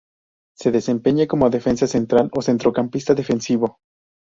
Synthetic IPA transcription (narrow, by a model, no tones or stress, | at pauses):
se̞ðe̞se̞mpe̞ɲeko̞moðe̞fe̞nsase̞nt̪ɾalo̞se̞nt̪ɾo̞kampist̪aðe̞fensiβo̞